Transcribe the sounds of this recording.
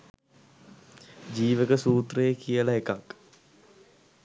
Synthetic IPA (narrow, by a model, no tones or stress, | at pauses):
d͡ʒiːʋəkəsuːt̪rəjekijəlaekak